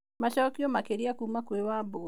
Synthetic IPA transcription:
maʃɔkjomakeɾiakumakwewabo

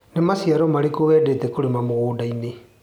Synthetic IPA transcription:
nemasiaɾɔmaɾekoβɛːdetɛkoɾemamoɣuːdaine

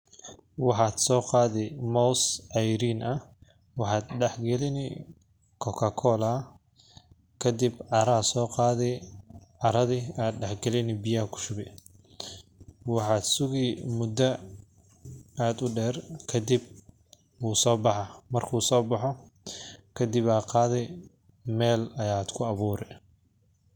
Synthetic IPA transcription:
wɑħɑːd̪sɔːqɑːðɛmɔwsʕɑjɾiːnɐ | wɑħɑːd̪ɖɛħɡɛlɪnɪ | kʰɔkʰɐkʰɔːlɐ | kʰɐd̪ibʕɑɾɐsɔːqɑːðɛ | ɑɾɐðiaːd̪̚ɖɛħɡɛlɪnɪbɪjɐhkʰʊ̥ʃʊβɛ | wɑħɑːd̪sʊɣiːmʊd̪ɐ | aːd̪ʊɖɛːrkʰɐd̪ɪb̚ | uːsɔːbɑħɑmɐrkʰuːsɔːbɑħɔ | kʰɐd̪ɪbaːqɑːðɛ | mɛːlɐjaːd̪kʰʊɐβuːɾɛ

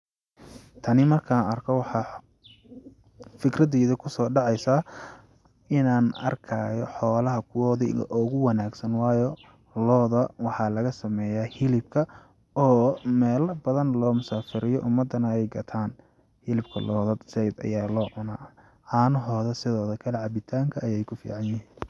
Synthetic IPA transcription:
t̪ʰɐnɪmɐrkʰaːɐrkʰɔwɑħɑ | fɪkrɐðɛːðɐkʰʊsɔːɖɑʕɑjsaː | ɪnaːnɐ̰rkʰɐːjɔħɔːlɐɦɐkʰʊwɔːðɪ̰ʔɔːɣʊwɑnaːɡsɐnwɑːjɔ | lɔːðɐwɑħɑːlɐɣɐsɐmɛːjaːhɪlɪb̚kʰɐ | ɔːmɛːlɐbɐðɐnlɔːmʊsaːfɪɾɪjɔʔʊmːɐd̪ɐnɐɛjɡɐt̪ʰaːn | hɪlɪb̚kʰɐlɔːðɐd̪sɛjd̪ɐ̰jaːlɔːʕʊnaː | anɐɦɔːðɐsɪðɔːðɐkʰɐlɛʕɑbɪt̪ʰaːŋkʰɐːjɛjkʰʊfḭːʕɑnjɪhiːn

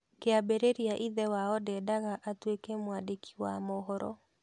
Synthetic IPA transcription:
keabeɾeɾiaʔiðɛwaɔdɛdaɣaʔatwekɛmwadekʰi̥wamɔɦɔɾɔ̰

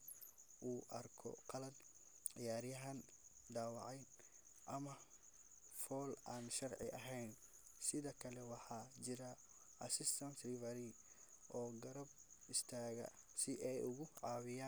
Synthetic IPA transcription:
ʔuːʔɐrkʰɔ̰qɑlɐd̪ | ʕɪjaːɾjɐɦɐnɖaːwɑʕɛjn | ʔɐmɐ | fɔːlʔaːnʃɐrʕɪ̰ʔɐɦɛjn | sɪðɐkʰɐlɛwɑħɑːt͡ʃɪɾɐ | ʔɐsɪst̪ʰɐnsrɪvɐɾi | ʔɔːɡɐɾɐb̚ɪst̪ʰaːɣɐ̰sɪʔɛjʊɣʊʕɑːβɪjaː

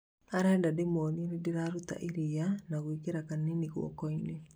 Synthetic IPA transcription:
aɾɛːndademonienidiɾaɾut̪a̰ʔiɾijanaɣwikeɾakaniniɣwɔ̰kɔine

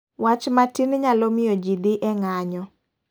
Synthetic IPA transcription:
wat͡ʃmatinɲalɔmɪjod͡ʒid̪ɪʔɛŋaɲɔ

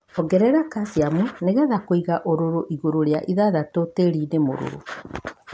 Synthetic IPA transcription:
ɔɡɛɾɛɾakasiamuneɣɛðakoiɣaʔoɾoɾoʔiɣoɾoɾeaʔiðaðatoteɾinemo̰ɾo̰ɾo̰

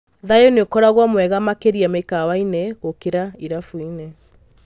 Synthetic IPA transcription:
ðajoneokɔɾaɣwɔmwɛɣamakeɾiamekawaineɣokeɾaiɾafuine

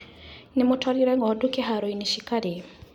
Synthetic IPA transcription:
nɪmʊtwaɾiɾɛŋɡɔdukɛɦaɾoiniʃikaɾe

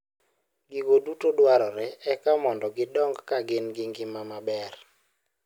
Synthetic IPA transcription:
ɡiɡodutodwaɾɔɾɛɛkamɔndɔɡɪdɔŋɡkaɡɪnɡɪŋɡɪmamabɛr

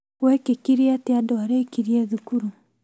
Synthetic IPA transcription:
wekekiɾiateadɔaɾeikiɾieðukuɾu

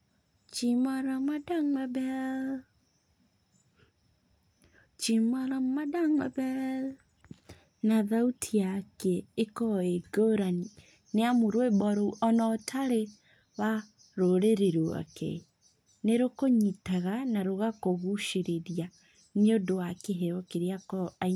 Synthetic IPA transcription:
t͡ʃimaɾamadaŋabɛ | t͡ʃimaɾamadaŋabɛ | naðautʰijakeekɔeɡoɾani | neamuɾwebɔɾoɔnɔtʰaɾe | wa | ɾoɾeɾeɾoa̰kɛ̰ | neɾokoɲitaɣanaɾoɣakoɣuʃeɾeɾia | neodowakeɦeɔkeɾeakɔa

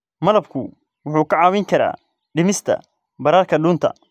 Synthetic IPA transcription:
mɐlɐb̚kʰʊ | wʊħuːkʰɐʕɑːwɪŋkʰɐɾa̰ː | ɖɪmɪst̪ʰɐ̰ | bɐɾaːrkʰɐɗuːnt̪ʰɐ̰

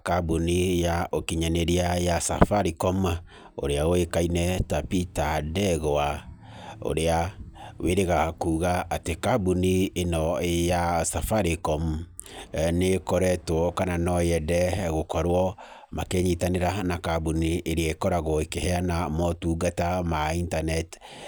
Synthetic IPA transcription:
kabunijaokiɲaneɾiajasa̰faɾikɔma | o̰ɾeaoekainɛtapitadɛɣɔa | o̰ɾeaweɾeɣakuːɣaatekabunienɔjasafaɾikɔm | nekɔɾɛtwɔkananɔjɛdɛɣokɔɾwɔ | makeɲitaneɾanakabunieɾeaekɔɾaɣɔekehɛanamɔtuɡatamaintanɛt

